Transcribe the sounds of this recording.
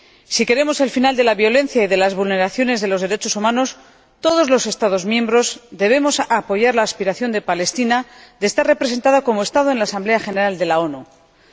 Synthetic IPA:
sike̞ɾe̞mo̞se̞lfinald̪e̞laβjo̞lẽ̞n̟θjaiðe̞lazβulne̞ɾaθjo̞ne̞zðe̞loðe̞ɾe̞t͡ʃo̞sumãno̞s | t̪o̞ð̞o̞zlo̞se̞st̪aðo̞zmjẽ̞mbɾo̞zd̪eβ̞e̞mo̞sapo̞ʝaɾlaːspiɾaθjo̞nd̪e̞pale̞st̪inad̪est̪are̞pɾe̞se̞nt̪aðako̞moe̞st̪aðonlaːsamble̞axene̞ɾald̪e̞lao̞nu

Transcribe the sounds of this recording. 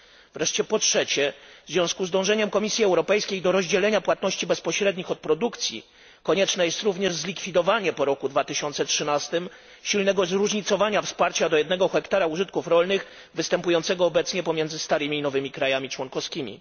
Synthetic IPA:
vɾɛʂt͡ɕɛpɔtʂɛt͡ɕɛvvzʲvʲjɔ̃w̃skuzd̪ɔ̃w̃ʐɛɲɛmkɔmʲisʲjiɛwɾɔpɛjskʲejd̪ɔɾɔʑd͡ʑɛlɛɲapwat̪nɔɕt͡ɕibɛspɔɕɾɛd̪ɲixɔt̪̚pɾɔd̪ukt̪sʲjḭ | kɔɲɛt͡ʂnɛjɛst̪ɾuvɲɛʐzlʲikfʲid̪ɔvaɲɛpɔɾɔkud̪vat̪ɘɕɔnt̪sɛtʂɘnast̪ɘm | ɕilnɛɡɔzɾuʐɲit̪sɔvaɲafspaɾt͡ɕad̪ɔjɛd̪nɛɡɔxɛkt̪aɾauʐɘt̪̚kufɾɔlnɘx | vɘst̪ɛmpujɔnt̪sɛɡɔːbɛt̪sɲɛpɔmʲjɛnzɘst̪aɾɘmʲiːnɔvɘmʲikɾajamʲit͡ʂwɔnkɔfskʲimʲḭ

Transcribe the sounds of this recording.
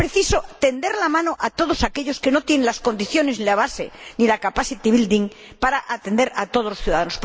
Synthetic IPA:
pɾeθisot̪e̞nd̪eɾlamãnoʔat̪o̞ð̞osake̞ʎo̞ske̞no̞t̪je̞nenlasko̞nd̪iθjo̞ne̞znilaβ̞asḛnilakapasit̪iβild̪iŋ | paɾaʔat̪end̪e̞ɾat̪o̞ðolosθjuðaðanos

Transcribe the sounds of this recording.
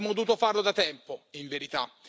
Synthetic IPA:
mod̪uːt̪ʊfaɾlʊd̪at̪ɛmpoiɱveɾit̪a̰

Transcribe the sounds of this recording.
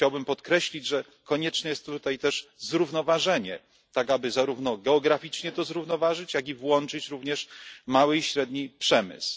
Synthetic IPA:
t͡ɕawbɘmpɔt̪kɾɛɕlʲid͡ʑʐɛ | kɔɲɛt͡ʂnɛjɛst̪ːut̪ajt̪ɛʂzɾuvn̪ɔvaʐɛɲɛ̰ | t̪aɡabɘzaɾuvnɔɡɛɔɡɾafʲit͡ʂɲɛt̪ɔzɾuvnɔvaʐɘt͡ɕjaɡʲivwɔnt͡ʂɘt͡ɕɾuvɲɛʂmawɘiɕɾɛd̪ɲipʂɛmɘ̰s

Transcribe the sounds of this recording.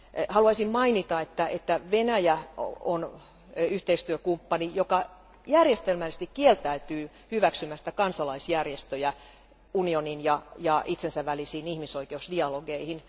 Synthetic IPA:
hɑluɑisimmɑinit̪ɑet̪ːæet̪ːæʋenæjæ̰on | yht̪eist̪yøkumpːɑnijokɑ | jærjest̪elmælise̥s̆t̪ikkielt̪æyt̪yː | hyʋæksymːæsi̥t̪æ̥kɑnsɑlɑisjærjest̪øjæ | unioninjɑjɑʔit̪sensæʋælisiːnihmisoikeusdiɑloɡeihin

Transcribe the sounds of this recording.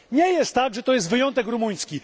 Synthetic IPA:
ɲɛjɛst̪ːaɡʐɛt̪ɔjɛst̪vɘjɔnt̪ɛkɾumuj̃skʲi

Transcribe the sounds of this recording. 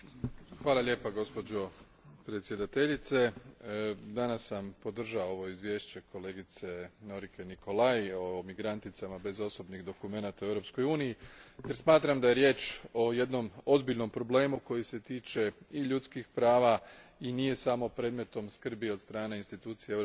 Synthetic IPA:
xʋaːlˠaʎʲe̞paɡo̞spo̞d͡ʑo̞ | pɾe̞t̪sje̞d̪at̪e̞ʎit̪se̞ | d̪anasːampo̞d̪r̩ʒaooʋo̞izʋje̞ːʃt͡ɕe̞kʰo̞le̞ːɡit̪se̞no̞ɾikʰe̞nikʰo̞lajomiɡɾant̪it̪samabe̞zo̞so̞bniɣd̪o̞kume̞nat̪auevɾo̞psko̞juːnijijeɾsmaːt̪ɾamd̪aje̞ɾje̞ːt͡ʃo̞je̞d̪no̞mo̞zbiʎno̞mpɾo̞ble̞ːmuko̞jise̞t̪iːt͡ʃe̞iʎut̪skixpɾaːʋa | inije̞samo̞pɾe̞ːd̪me̞t̪o̞mskr̩biod̪st̪ɾaːne̞inst̪it̪uːt̪sijee

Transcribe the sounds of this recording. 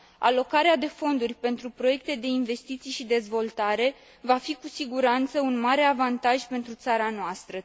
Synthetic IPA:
a̰lo̞kaɾead̪e̞fo̞nd̪urʲpe̞nt̪ɾupɾoje̞k̚t̪e̞d̪e̞inve̞st̪it̪sijʃid̪e̞zvo̞lt̪aɾe̞ | vafikusiɡuɾant̪səunmaɾe̞avant̪aʒpe̞nt̪ɾut̪saɾanoast̪ɾə

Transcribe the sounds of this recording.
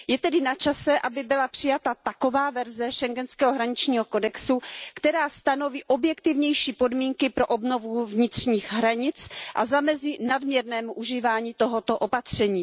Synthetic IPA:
jɛt̪ɛdɪnat͡ʃasɛʔabɪbɪlapr̝̥ɪjat̪at̪ako̞vaːvɛɾzɛʃɛŋɡɛnskɛːɦoɦɾaɲɪt͡ʃɲiːɦoko̞dɛksukt̪ɛɾaːst̪ano̞viːʔo̞bjɛkt̪ɪvɲɛjʃiːpo̞dmiːŋkɪpɾo̞ʔobno̞vuvɲɪt̪r̝̥ɲiːxɦɾaɲɪt͡sʔa̰zamɛzɪnadmɲɛɾnɛːmuʔuʒiːvaːɲiːt̪oɦot̪o̞ʔo̞pat̪r̝̥ɛɲiː

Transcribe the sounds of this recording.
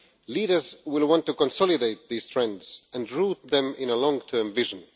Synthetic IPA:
liːɾə˞zwɪlˠwɑ̃ntːukɔ̃nsɔlˠɨdeɪt̪̚ðiz̥θɹɛ̃ndz̥æ̃nɹut̪̚ðɛ̃mɪ̃nəlɔ̃ŋtʰɜ˞mvɪʒə̃n

